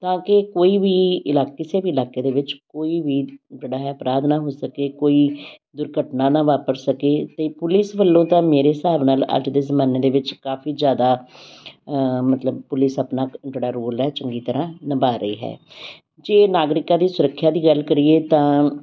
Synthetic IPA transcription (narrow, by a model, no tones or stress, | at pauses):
t̪ãːkɪkoːiːʋiːɪlaːkɪseːbiːɪlaːkeːd̪eːʋɪt͡ʃkoːiːʋiːd͡ʒəɽaːɦɛːəpɾaːd̪naːɦoːsəkeːkoːiː | d̪ʊɾɡʱəʈnãːnãːʋaːpəɾsəkeːt̪eːpʊlɪsʋəlːõːt̪ãːmeːɾeːsaːʋnaːlə̰ɾd͡ʒd̪eːzəmãːneːd̪eːʋɪt͡ʃkaːfʰiːzjaːd̪aː | mət̪ləbpʊlɪsəpnaːd͡ʒəɽaːɾoːlɛːt͡ʃəŋɡiːt̪əɾãːnəbaːɾəḭːɦɛ̰ː | d͡ʒeːnaːɡɾɪkãːd̪iːsʊɾəkʰːjaːd̪iːɡəlkəɾieːt̪ãː